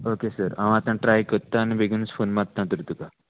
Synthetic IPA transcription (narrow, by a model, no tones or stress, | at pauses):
okesəɾãʋ̃at̪ãʈɾajkəɾt̪aːñibʱeɡuːnət͡sfonmat̪ːnat̪əɾt̪uka